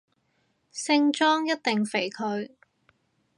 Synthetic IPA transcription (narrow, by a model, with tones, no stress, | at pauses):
sɪ˥ŋt͡ʃɔː˥ŋjɐ˥t̚t̪ɪ˨ŋfe˨˩jkʰɵ˧ɥ